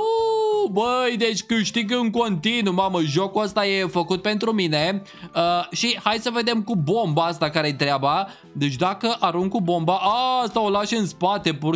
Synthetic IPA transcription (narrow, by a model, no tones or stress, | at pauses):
obəjd̪e̞t͡ʃʲkɨʃt̪iɡɨŋko̞nt̪inumaməʒo̞kuəst̪aje̞fəkut̪̚pe̞nt̪ɾumine̞ | əʃihajsəve̞d̪e̞mkubo̞mbaast̪akaɾejt̪ɾeaba | d̪e̞t͡ʃʲd̪akəʔaɾuŋɡkkubo̞mbaʔaast̪ao̞laʃɨnspat̪e̞pu